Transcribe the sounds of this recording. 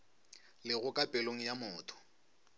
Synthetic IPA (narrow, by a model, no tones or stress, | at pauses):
lɪɣʊkʼapʼɛloŋ̩jamʊːtʰʼʊ̥